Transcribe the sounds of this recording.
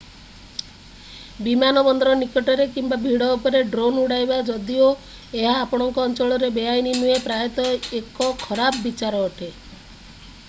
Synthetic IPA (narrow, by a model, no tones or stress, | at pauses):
bimanɔbɔnd̪ʱɔɾɔnikɔʈɔɾekimbabʱiɽɔupɔɾeɖɾonuɽajbad͡ʒɔd̪io | eɦaːpɔɽ̃ɔŋkɔːnt͡ʃɔɭɔɾebeajninuepɾaet̪ɔekɔkʰɔɾabːit͡ʃaɾɔːʈʰe